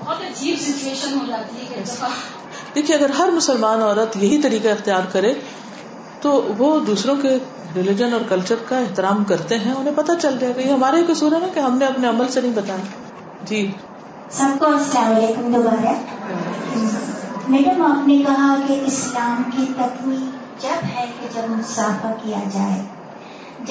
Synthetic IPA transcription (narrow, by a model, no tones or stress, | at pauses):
t̪ɐd͡ʒiːbsɪt͡ʃueːʃənɦod͡ʒaːt̪iɛ | d̪̥eːkʰieɐɡəɾɦɐɾmʊsəlmaːnɔːɾət̪jɐɦit̪ɐɾiːkeɪxt̪ɪjaːɾkɐɾe | t̪oʋod̪uːsɾõke | ɾɪlɪd͡ʒənɔːɾkɐlt͡ʃəɾkaɪɦt̪ɪɾaːmkɐɾt̪eɦɛ̃ʊnɦẽpɐt̪at͡ʃɐlɡɐjaɡajeɦɐmaːɾaɦikosuːɾəɛ̃keɦɐmneɐpneɐməlsenɐɦĩbɐt̪aːja | d͡ʒiː | sɐb̚koasʈãːleːkɐmd̪obaːɾa | mɛːɖəmaːpnekɐɦakeʔɪslaːmkip̪ɐt̪wi | d͡ʒɐbɦɛked͡ʒɐbmʊsaːfakijad͡ʒaːeː | d͡ʒ